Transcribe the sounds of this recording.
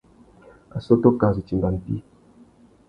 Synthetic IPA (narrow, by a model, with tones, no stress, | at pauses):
a̰˨so˦to˦ka˨zi˨t͡ʃi˨mɡa˨n̩˨tḭ˦